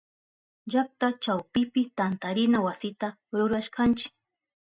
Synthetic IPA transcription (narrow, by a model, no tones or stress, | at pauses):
ʒak̚t̪at͡ʃawpɪpɪt̪ant̪aɾɪnawasɪt̪a | ɾʊɾaʃkant͡ʃɪ̥k